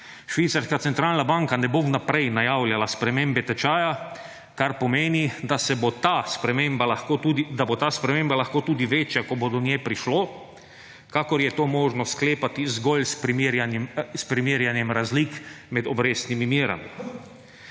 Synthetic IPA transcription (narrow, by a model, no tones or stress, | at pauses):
ʃʋiːt̪saɾskat̪ɛnt̪ɾaːlnabaŋkanɛbownapɾɛjnajawljalaspɾɛmeːmbɛt̪ɛt͡ʃaːja | kaɾpɔmeːnid̪asɛbot̪aspɾɛmembalaxkud̪abot̪aːspɾɛmeːmbalaxkoːt̪uːd̪iʋeːt͡ʃjakɔbod̪ɔnjɛpɾiʃloː | kakɔɾjɛt̪oːmoːʒnɔskleːpat̪izɡɔlspɾimɾjanspɾimiːɾjanjɛmɾazlik | mɛd̪ɔbɾeːsnimimiːɾa̰mi